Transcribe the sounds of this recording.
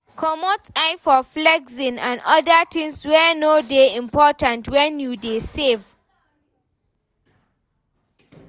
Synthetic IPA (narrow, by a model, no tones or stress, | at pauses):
kʰɔmotaɪfɔflɛɡzĩnã̰nɔdətʰɪ̃ŋswɛnodeĩmpʰɔtãntʰwɛ̃njudesev